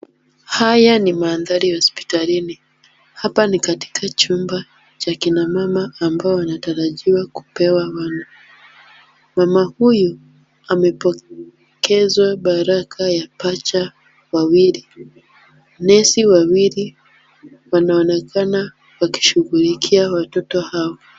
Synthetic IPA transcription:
hajanimaːnðaɾihɔspi̥talini | hapanikati̥kʰat͡ʃumba | t͡ʃakinamamaːmbaɔwanataɾaʄiwaku̥pɛwawanu | mamahuju | amɛpɔ | kɛzwaɓaɾakʰajapat͡ʃa | wawiɾi | nɛsiwawili | wanaɔnɛkʰana | waki̥ʃuɣulikʰiawatɔtɔhawa

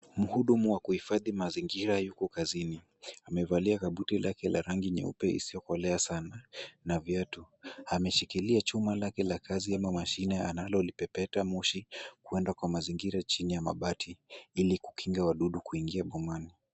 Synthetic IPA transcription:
m̩huɗumuwakuhifaðimaziŋɡiɾajukɔkazini | amɛvaliakaɓutilakɛla̰ɾaŋɡiɲɛ̰ṵpɛḭsijɔkɔlɛasananavjatuamɛʃikiliat͡ʃumalakɛlakaziamamaʃinɛanalɔlipɛpɛtamuʃikuɛndakwamaziŋɡiɾat͡ʃinijama̰ɓatʰiiliku̥kiŋɡawaɗuɗukuiŋɡiaɓɔmani

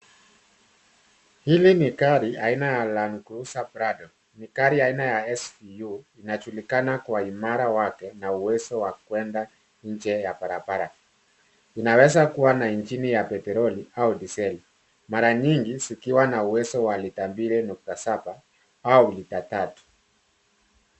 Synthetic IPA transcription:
hilinikaɾiainajalankɾusapɾadɔ | nikaɾiainajaɛsfijuinat͡ʃulikanakwaimaɾawakɛnauwɛsɔwakwɛnda | ɲ̩d͡ʒɛjapaɾapaɾa | inawɛzakuwanaind͡ʒinijapɛtɛɾɔliaudisɛli | maɾaɲiŋɡizikiwanauwɛsɔwalitambiɾɛnuk̚tasaba | aulitatatu̥

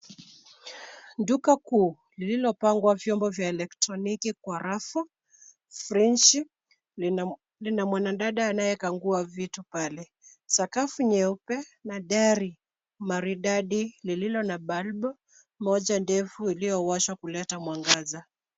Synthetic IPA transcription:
ndukakuː | lililɔpaŋɡwavjɔmbɔvjaɛlɛktɾɔnikikwaɾafɔ | fɾinʃi | linamwananɗaɗaːnajɛkaŋɡuavitupalɛ | sakafuɲɛupɛnaɗaɾi | maɾiɗaɗilililɔnaɓalɓɔ | mɔʄandɛfuilijɔwaʃwakulɛtamwaŋɡaza

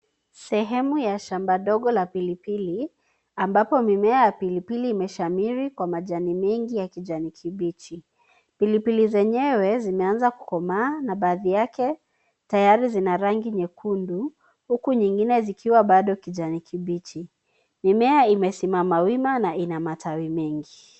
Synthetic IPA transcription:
sɛɦɛmujaʃambaɗɔɠɔlapilipili | ambapɔmimɛajapilipiliːmɛʃamiɾikwamaʄanimɛŋɡijakiʄanikʰiɓit͡ʃi | pilipilizɛɲɛwɛzimɛanzaku̥kɔmaːnaɓaːðijakɛ | tajaɾizinaɾaŋɡiɲɛkʰundu | hukuɲiŋɡinɛzikʰiwaɓaɗɔkiʄanikʰiɓit͡ʃi | mimɛaimɛsimamawimanainamatʰawimɛŋɡi

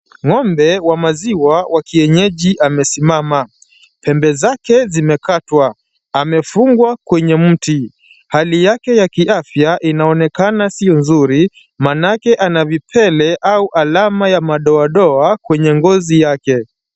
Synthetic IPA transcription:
ŋɔmbɛwamaziwawʔakiɛɲɛʄiʔamɛsimama | pɛmbɛzakɛzimɛkatwa | amɛfuŋɡwakwɛɲɛm̩ti | halijakɛjakiʔafjaʔinaɔnɛkanasiɔnzuɾi | manakɛʔanavipʰɛlɛʔauʔalamajamaɗɔaɗɔakwɛɲɛŋɡɔzijakɛ

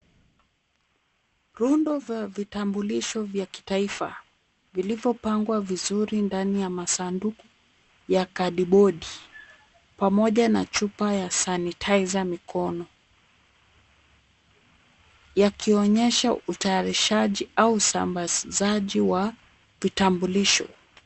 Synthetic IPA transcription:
ɾundɔvavitambuliʃɔvjaki̥taifa̰ | vilivjɔpaŋɡwavizuɾindanijamasanduku | jakaɗiɓɔɗi | pamɔʄana̰t͡ʃupajasanitʰaizamikʰɔnɔ | jakiɔɲɛʃautajaɾiʃaʄiausa̰mbazaʄiwa | vitambuliʃɔ̰

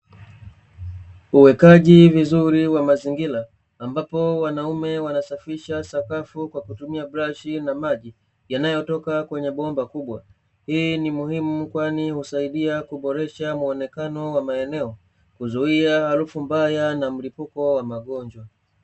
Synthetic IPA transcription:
uwɛkaʄivizuɾiwamaziŋɡilaː | mbapɔwanaumɛwanasafiʃasakafukwakutumiabɾaʃinamaʄi | janajɔtɔkakwɛɲɛɓɔmbakuɓwa | hinimuhimukwanihusaiɗiakuɓɔɾɛʃamuɔnɛkanɔwamaɛnɛɔ | kuzuiahaɾufumbajanam̩lipukɔwamaɠɔɲd͡ʒwa

